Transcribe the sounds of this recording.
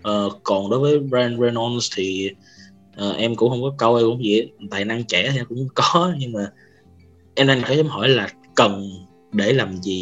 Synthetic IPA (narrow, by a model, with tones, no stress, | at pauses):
ʔəː˨˩kɔ˨˩nɗo˨˦jvəː˨˦jɛ˧nɹɛ˧nɔ˧nst̪ʰi˨˩ | ʔəː˨˩ʔɛ˧mkʊ̰˧˥ŋ͡mhə˧wŋ͡mkɔ˨˦kə˧wʔɛ˧kʊ̰˧˥ŋ͡mvḭ˧˨t̪a̰ː˧˨jna˧ŋt͡ɕɛ˧˩tʰi˨ʔɛ˧kʊ̰˧˥ŋ͡mŋ͡mkɔ˨˦ɲɨ˧ŋmaː˨˩ | ʔɛ˧mʔa˧jŋk̪ʰəː˨˦jʔɛ˧mɦɔ˧˩jlaː˨˩ | kə˨˩n | ɗe˧˩laː˨˩mzi˨˩